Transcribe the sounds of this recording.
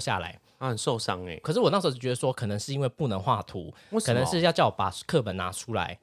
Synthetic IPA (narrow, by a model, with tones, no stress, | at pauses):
ɕja̰˥˩la̰˨˦ɪ | ə˨˩nso˥˨˧ʊsɑ˦ŋḛ˨˩kʰʂɻ̩˥˩wɔ˨˩na˥˩ʂə˧˥˧t͡ɕɥɛ˧˥d̪ə˧ʂwɔ˥kʰɤ˨˩nə˧˦ŋʂɻ̩˥˩i˥nŋwe˥˧ɪpu˥˩nə˧˥ŋxwa˥˩t̪ʰu˧˥ | kʰnə˧˦ŋɻ̩˥˧jt͡ɕjɑ˥˩ʊpa̰˨˩kʰɤ˥˩p̬ə˨˩nna̰˧˥ʈ͡ʂʰu˥la̰˧˦ɪ